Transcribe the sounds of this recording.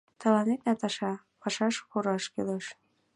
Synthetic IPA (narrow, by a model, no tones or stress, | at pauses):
t̪ɤ̆lɑnet̪næt̪ɑʃɑ | pɑʃɑʃxuɾɑʃkeleʃ